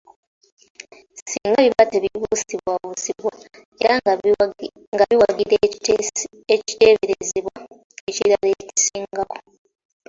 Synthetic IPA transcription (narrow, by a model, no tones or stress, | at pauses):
siːŋɡaβiβateβiβusiβwaβusiβwa | e̞ɾa | ŋɡaβiwaɡiɾe | eci̥te̞ːβeɾeziβwa | eciɾaleci̥siːŋɡako̥